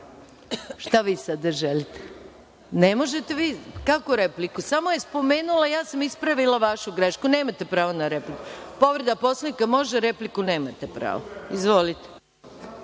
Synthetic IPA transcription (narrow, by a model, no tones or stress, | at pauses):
ʃt̪aʋiːsad̪aʒelit̪e̥ | nemo̞ʒet̪e̞ʋiːkakoɾeplikusamo̞je̞spo̞me̞ːnulˠajaːsamispɾaʋilaʋaʃuɡɾeʃkune̞ːmat̪e̞pɾaːʋonaɾe̞plikupo̞ʋɾed̪apo̞slˠanikamo̞ʒeɾe̞plikune̞ːmat̪epɾa̰ːʋoizʋo̞lit̪e̥